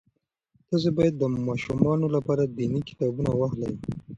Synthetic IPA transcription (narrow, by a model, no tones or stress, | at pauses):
d̪̥əzebɑjad̪̚ːəmɑʃumɑnolapɑɾad̪inikɪ̥t̪ɑbunawaɦlawi